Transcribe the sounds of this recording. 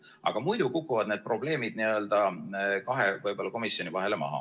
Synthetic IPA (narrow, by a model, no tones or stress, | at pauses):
ʔɑ̰ɡ̥ɑmujd̪̥ukukːuvɑd̪ned̪̚pro̞ble̞ːmid̪̥niø̞ld̪ɑkɑɦevɤjb̥o̞lːɑko̞misjo̞nivɑɦe̞lemɑ̰ɦɑ̰